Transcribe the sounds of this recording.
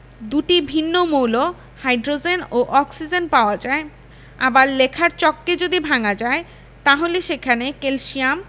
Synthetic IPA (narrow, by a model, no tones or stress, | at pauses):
d̪uʈibʱinːomowlo | hajɖɾod͡ʑenoʔɔksid͡ʑenpaoad͡ʑae | a̰baɾlekʰaɾt͡ɕɔkːed͡ʑod̪ibʱaŋad͡ʑae | t̪aɦoleʃekʰanekelʃiam